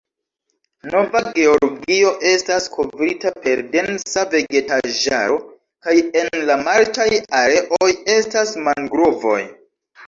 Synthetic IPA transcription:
no̞vaɡe̞o̞ɾɡio̞ʔe̞staskʰo̞vɾitape̞ɾde̞nsave̞ɡe̞taʒa̰ɾo̞ | kaje̞nlamaltajaɾe̞ʔoje̞stasmaŋɡɾovo̞̰j

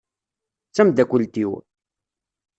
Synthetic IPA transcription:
t͡sːæmd̪ækʷəlt̪iw

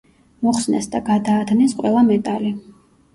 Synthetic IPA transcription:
mɔχsnɛ̰sd̪aɡad̪aːt̪ʰnisqʼwɛlˠamɛt̪ʼali

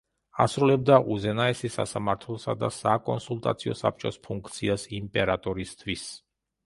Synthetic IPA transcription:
asɾulɛb̚d̪aʔuzɛnaɛsisa̰samaɾt̪ʰlˠɔsad̪asakʼɔnsulˠt̪ʼa̰t̪sʰiɔ̰sa̰p̚t͡ʃʼɔspʰuŋkʰt̪sʰiasimpʼɛɾat̪ʼɔɾist̪ʰwis

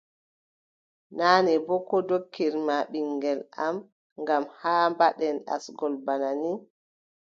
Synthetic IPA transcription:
naːnɛbɔkɔdokːiɾmaɓiŋɡɛlʔam | ŋɡamhaːmbaɗɛnɗa̰sɡɔlbanani

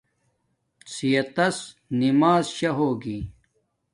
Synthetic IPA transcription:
t͡sijɐt̪ɐs | nimaːzɕɐɦoːɡiː

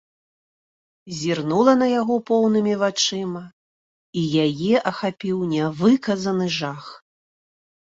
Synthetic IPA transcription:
zʲirnulˠɐnɐjaɣɔpɔwn̪ɨmʲivat͡ʂɨmɐ | ijajɛʔɐxapʲiwnʲɛvɨkɐzɐnɨʐax

